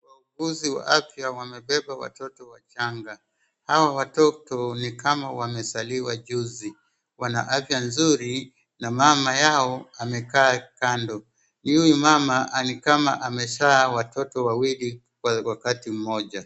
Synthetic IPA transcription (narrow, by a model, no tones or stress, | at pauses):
wauɡuziwa̰ʔafjawamɛɓɛɓawa̰tɔtɔwat͡ʃaŋɡa | hawawatɔtɔnikamawamɛsaliwaʄuzi | wana̰ʔafjanzuɾi | namamajaɔamɛkaːkandɔ | nuwɛmamaʔanikama̰ʔamɛʃaːwatɔtɔwawili | wawakatim̩mɔʄa